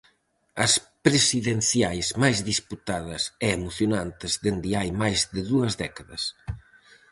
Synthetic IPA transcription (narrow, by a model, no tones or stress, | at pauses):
ɐspɾesiðenθjajzmajzðisput̪aðɐsɛemoθjonant̪ɪzðend̪ɪajmajzðɪðuɐzðɛkaðɐs